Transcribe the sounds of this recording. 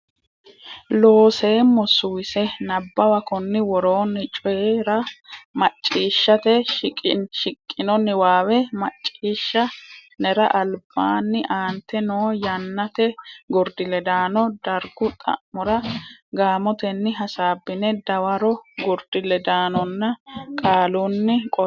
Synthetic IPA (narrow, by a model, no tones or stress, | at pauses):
loːse̞ːmɔsːʊwɪsɛnɐbːɐwɐkɔnːɪwɔɾoːnːɪt͡ʃʼɔjeɾɐmɐt͡ʃʼːiːʃːɐt̪ɛkʼʃɪkʼːɪnɔnːɪwaːwɛmɐt͡ʃʼːiːʃːɐnɛɾɐʔɐlb̥aːnːɪʔaːnt̪ːɛnoːjɐnːɐt̪ɛɡʊɾd̪ɪlɛd̪aːnɔd̪̥ɐɾɡʊt̪ʼɐ̰ʔmɔɾɐɡaːmɔt̪ɛnːɪɦɐsaːbːɪnɛd̪ɐwɐɾɔɡʊɾd̪ɪlɛd̪aːnɔnːɐkʼaːlunːɪkʼɔ